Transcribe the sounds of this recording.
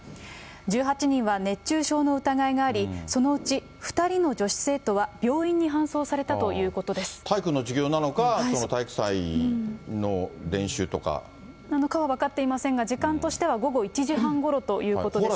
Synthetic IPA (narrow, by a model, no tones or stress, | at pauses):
d͡ʑɨːɦat͡ɕiɲ̟ĩɰ̃βane̞t͡ɕːɕɨːɕo̞ːno̞ɯ̟t̪aɡaiɡaːɾʲiso̞no̞ɯ̟t͡ɕi | ɸɯ̟̥t̪aɾʲino̞d͡ʑo̞ɕi̥se̞ːt̪o̞βab̥ʲjo̞ːĩɲ̟ːiɦãɰ̃so̞ːsaɾe̞t̪at̪o̞jɯ̟ːko̞t̪o̞d̪e̞sɨ̥t̪ʰaikɯnːo̞d͡ʑiɡʲo̞ːnano̞kasonot̪aikɯ̟̥sai | no̞d̪ẽ̞ɰ̃ɕɨːt̪o̞ka̰ | nano̞kaβaβakat̪ːe̞imasẽ̞ŋɡad͡ʑikãnt̪o̞ɕi̥t̪e̞β̞aɡo̞ɡo̞it͡ɕiʑiɦãŋɡo̞ɾo̞t̪o̞jɯ̟ːko̞t̪od̪e